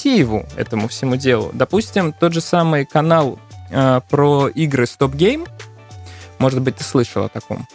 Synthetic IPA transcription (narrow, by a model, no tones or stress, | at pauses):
sʲijɪvʊ̰ɛ̰t̪əmʊfsʲɪmudʲe̞lˠʊ̰d̪ɐpusʲtʲɪmt̪o̞t̪ʐɨsamɨjkɐnalˠəpɾoiɡɾɨst̪o̞pɡʲejm | mo̞ʐɨt̪̚bɨt̪ʲːɨslˠɨʂəlˠɐ̰t̪ɐko̞̰m